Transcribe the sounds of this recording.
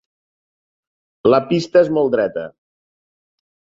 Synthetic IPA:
ləpist̪əezmɔlˠd̪ɾɛt̪ə̰

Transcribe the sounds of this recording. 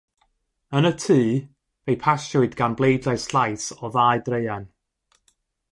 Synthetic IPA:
ənətʰiː | vejpʰasʊɨdɡanblˠejdlajsɬajsɔðaːɨdrejan

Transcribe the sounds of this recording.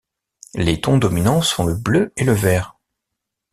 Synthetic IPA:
let̪ɔ̃d̪ɔminɑ̃sɔ̃ləbløeləvɛːʁ

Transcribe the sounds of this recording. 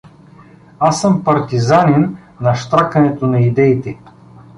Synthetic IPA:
asɤmpɐɾt̪izanɛnː | ɐʃt̪ɾakɐnɛt̪onɐid̪ɛit̪ɛ

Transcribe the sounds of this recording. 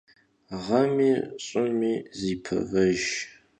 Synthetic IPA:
ʁɐmiːɕʼʊnmiːziːpʰɨ̰vɐʒ

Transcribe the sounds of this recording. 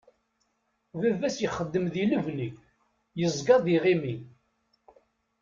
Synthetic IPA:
vævæsjəχəd̪ːəmðiləvni | jəzˤɡɑðiʁimi

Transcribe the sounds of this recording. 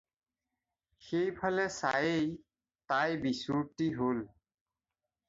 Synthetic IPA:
xejpʰalɛsajej | tajbisuɹtiɦol

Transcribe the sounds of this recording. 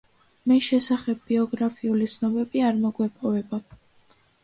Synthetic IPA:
miʃɛsaχɛb̚ːiɔɡɾapʰiulit̪sʰnɔbɛbiaɾmɔɡwɛpʼɔvɛba

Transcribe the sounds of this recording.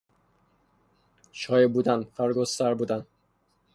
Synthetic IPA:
ʃɒːjebuːd̪ænfæɾɡosæɾbuːd̪æn

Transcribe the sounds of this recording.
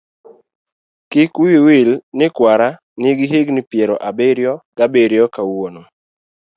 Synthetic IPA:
kɪkiwilnɪkwaɾa | nɪɡiɦɪɡnɪpjɛɾɔʔabeɾjɔɡ̥abeɾjɔkawono

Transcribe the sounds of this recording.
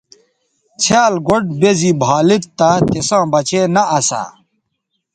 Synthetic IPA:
t͡ɕʰaːlɡoɖ̚bezibʱaːlit̪ːat̪esãːbɐt͡ɕʰeːnɐʔːsa̰

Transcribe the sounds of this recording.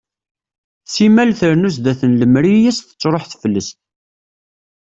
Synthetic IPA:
simælθəɾnus̬d̪æθənləmɾijisθə̥t͡sːɾˤoħθfəlːəst̪

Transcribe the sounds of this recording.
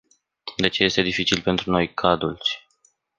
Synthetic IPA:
d̪e̞t͡ʃeje̞st̪e̞d̪ifit͡ʃilpe̞nt̪ɾuno̞jkʰad̪ult͡ʃʲ

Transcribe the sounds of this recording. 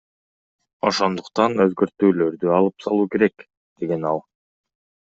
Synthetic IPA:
o̞ʃo̞nd̪uqt̪ɑnø̞zɡø̞ɾt̪yːlø̞ɾd̪yɑlˠɯpsɑlˠuːke̞ɾe̞k | d̪̥e̞ɡe̞nɑ̰lˠ

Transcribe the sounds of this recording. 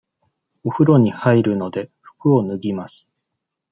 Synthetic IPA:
o̞ɸɯ̟ɾo̞ɲ̟ihaiɾɯ̟no̞d̪e̞ɸɯ̟̥kɯ̟o̞nɯ̟ɡʲimasɨ̥

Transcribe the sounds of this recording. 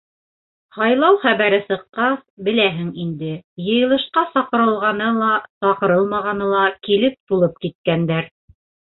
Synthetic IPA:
hɑjlˠɑwχæβæɾɘsɤ̆qːɑsbɘ̆læɦɘŋind̪ɘjɤ̆jɤ̆lˠɤ̆ʃqɑsɑqɤ̆ɾɤ̆lˠʁɑnɤlˠɑsɑqɤ̆ɾɤlˠmɑʁɑnɤlˠɑkilɘp̚t̪ulˠɤp̚kit̪̚kænd̪æɾ

